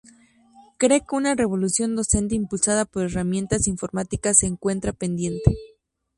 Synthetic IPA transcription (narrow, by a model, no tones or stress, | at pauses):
kɾe̞keunare̞β̞o̞lusjo̞nd̪o̞se̞nt̪̬e̞impulsaðapo̞ɾe̞ramjẽ̞nt̪asiɱfo̞ɾmat̪ikasːe̞ːŋkwe̞nt̪ɾapend̪je̞nt̪e̞